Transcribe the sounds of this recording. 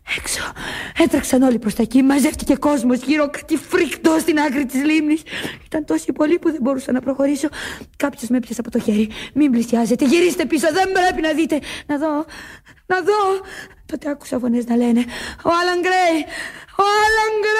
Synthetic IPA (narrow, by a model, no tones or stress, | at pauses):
ekso̥et̪ɾɐksɐno̞lipɾo̞st̪ɐcimɐzeft̪ice̞ko̞zmo̞zʝiɾo̞kɐ̥t̪ifɾikt̪ost̪inɐkɾit̪izlimnisi̥t̪ɐnt̪o̞sipo̞lipuðe̞mbo̞ɾusɐnɐpɾo̞xo̞ɾiso̞kɐpço̞zmepçɐsɐpo̞t̪o̞çe̞ɾimimblisiɐze̞t̪e̞ʝiɾist̪e̞piso̞ðe̞mbɾe̞pinɐðit̪e̞nɐðo̞ | nɐðo̞t̪o̞t̪eɐku̥sɐfo̞neznɐle̞ne̞oɐlɐŋɡɾejoɐlɐŋɡɾ